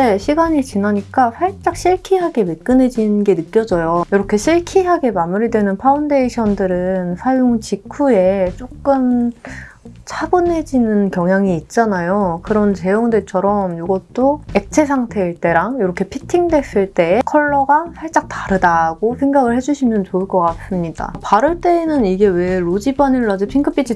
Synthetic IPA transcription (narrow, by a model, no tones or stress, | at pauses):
eɕʰiɡaɲit͡ɕinaɲik͈aɸʰaɭt͡ɕ͈ak̚ɕ͈ʰiɭkʰiɦaɡe̞mek͈ɯne̞d͡ʑinnɡe̞nɯk͈jʌd͡ʑʌjojʌɾʌkʰe̞ɕʰiɭkʰiɦaɡe̞mamuɾidwe̞nɯnpʰaunde̞iɕʰʌndɯɾɯnsʰajoŋt͡ɕikʰue̞t͡ɕ͈ok͈ɯm | t͡ɕʰabɯne̞d͡ʑinɯnkjʌŋɦjaŋiːt̚t͡ɕ͈anajokɯɾʌnt͡ɕe̞joŋdwe̞t͡ɕʰʌɾʌmjoɡʌt̚t͈oe̞k̚t͡ɕʰe̞sʰaŋtʰe̞iɭt͈e̞ɾaŋjʌɾʌkʰe̞pʰitʰiŋde̞s͈ɯɭt͈e̞ːkʰʌɭːʌɡasʰaɭt͡ɕ͈ak̚taɾɯdaɡosʰe̞ŋɡaɡɯɭhe̞d͡ʑuɕʰimjʌnt͡ɕoɯɭk͈ʌk͈as͈ɯmɲida̰paɾɯɭt͈e̞ːnɯniɡe̞we̞ɾod͡ʑibaniɭːad͡ʑɯpʰiŋkʰɯp͈ʰit͡ɕʰi